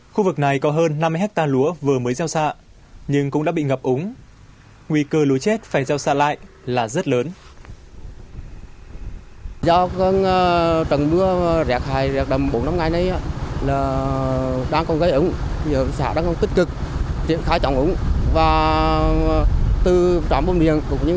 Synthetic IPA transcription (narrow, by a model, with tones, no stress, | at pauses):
xu˧vɨ˨˩k̚na˨˩jkɔ˨˦ɦəː˧nːa˧m˧ɦɛ˦˥k̚t̪aː˧lu˨˦əvɨ˨˩əməː˨˦jza˧wsa̰ː˧˨ | ɲɨ˧ŋkʊ̰˧˥ŋ͡mɗaː˧˥ɓḭ˧˨ŋə˨˩p̚ʔʊ˨˦ŋ͡m | ŋwi˧kəː˧lu˨˦jt͡ɕɛ˦˥t̚faː˧˩jza˧wsa̰ː˧˨la̰ː˧˨jʔ | laː˨˩zə˦˥t̚ləː˨˦n | zɔ˧ɔ˧n˧t͡ɕə˨˩nɓɨ˧əzɛ˨˩k̚haː˨˩jzɛ˨˩k̚ɗə˨˩mɓo˨˦nːa˧mŋ͡mŋa˨˩jnə˧jʔaː˧˦laː˨˩ | ɗaː˧ŋkɔ˧nɣə˨˧˦jʔʊ˨˦ŋ͡mt̪ʰi˨˩əː˨˩sa̰ː˧˩ɗa̰ː˧˥ŋxə˧wŋ͡mt̪ï˦˥k̚kɨ˨˩k̚t͡ɕḭ˧˨ənxaː˧˩jt͡ɕɔ˨˩wŋ͡mʔʊ˨˦ŋ͡mvaː˨˩ | t̪ɨ˨˩t͡ɕaː˨˦mɓo˧mɗi˨ənkʊ˨˩ŋ͡mɲɨ˧˦